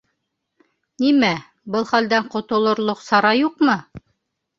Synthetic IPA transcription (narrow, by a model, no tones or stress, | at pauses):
nimæ | bɤlˠχæld̪æɴqŏt̪ŏlˠŏɾlˠoqsɑɾɑjuqmɤ